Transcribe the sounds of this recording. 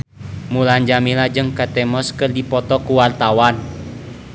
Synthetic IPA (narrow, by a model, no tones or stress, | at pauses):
muland͡ʒamilad͡ʒɨŋkat̪ɛmɔskɨrdipɔt̪ɔkuwart̪awan